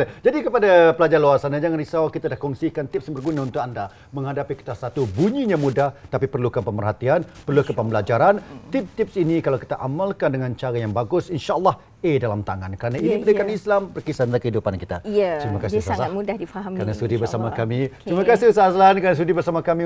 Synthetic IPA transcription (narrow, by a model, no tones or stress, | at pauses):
d͡ʒadikəpadapəlad͡ʒarluarsanad͡ʒaŋanrisawakit̪adahkɔŋsikant̪ɪp̚sjaŋbərɡunaunt̪ʊkanda | mə̃ŋɦadapiki̥t̪asat̪ubuɲiɲãmudaht̪apipərlukapəmpərɦat̪ianpərlukapəmbəlad͡ʒaɾant̪ɪp̚t̪ɪp̚sinikalawki̥t̪aʔamalkandəŋant͡ʃaɾajaŋbaɡʊsinʃaʔəlːɑh | edalamt̪aŋankəɾanainiədəkanislampərkisanakəhidupankit̪aatɾimakasisaudahdifaɦamkɾanasudibərsamakamit̪ɾimakasiusahslankanasudibərsamakamĩ